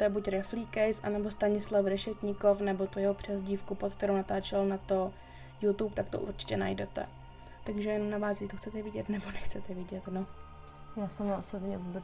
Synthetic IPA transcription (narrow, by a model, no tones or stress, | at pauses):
t̪ojɛbucɾɛfliːkɛjsʔa̰nɛbo̞st̪aɲɪslafɾɛʃɛcɲɪkofnɛbo̞t̪ujɛɦopr̝̥ɛzɟiːfkupot̪̚k̚t̪ɛɾownat̪aːt͡ʃɛlnat̪o̞ | jut̪upt̪akt̪oʔṵɾt͡ʃɪ̥cɛna̰jdɛt̪ɛ̰ | t̪aɡʒɛjɛnomnavaːzit̪oxt͡sɛt̪ɛvɪɟɛt̪nɛbonɛxt͡sɛt̪ɛvɪɟɛt̪no | jaːsɛmaosobɲɛvubɛt͡s